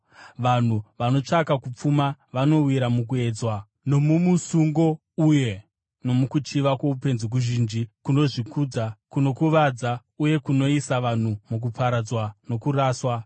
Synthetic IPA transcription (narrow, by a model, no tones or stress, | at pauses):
ʋan̤uʋano̞t͡ʂakakup͡fumaʋano̞wiɾamuk̬ue̞ːd͡zwa | no̞mumusuŋɡo̞ | uje̞ | no̞mukut͡ʃiʋakwo̞upe̞nzek̬uʒiːnd͡ʒikuno̞ʐikud͡zakuno̞kuʋad͡za | uje̞kuno̞isaʋan̤umuk̬upʰaɾad͡zwano̞kuraːswa